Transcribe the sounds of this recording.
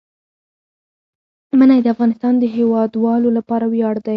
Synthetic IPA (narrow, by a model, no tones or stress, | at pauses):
mənajd̪əafɣɑnɪst̪ɑnd̪əɦewɑd̪wɑlolapɑɾawjɑɽd̪aj